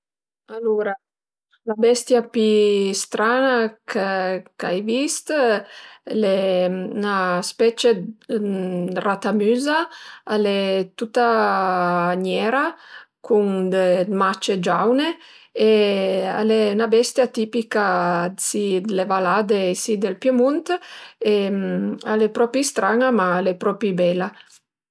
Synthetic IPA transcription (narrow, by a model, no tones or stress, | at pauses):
aluɾa | labɛst̪japist̪ɾanakeka̰jvist̪ | lenaspɛt͡ʃe | rat̪amyːzaalɛt̪ut̪ːa | ɲɛɾa | kʰuŋd̪emat͡ʃed͡ʒawne | ea̰lenabɛst̪jat̪ipikasid̪levalad̪esid̪elpjemunt̪e | a̰lepɾɔpist̪ɾaŋamaːlepɾɔpibɛla